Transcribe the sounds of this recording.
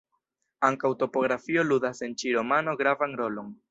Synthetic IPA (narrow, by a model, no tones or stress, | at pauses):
aŋkawto̞po̞ɡɾafioludase̞nt͡ʃiɾo̞mano̞ɡɾavanɾo̞lo̞n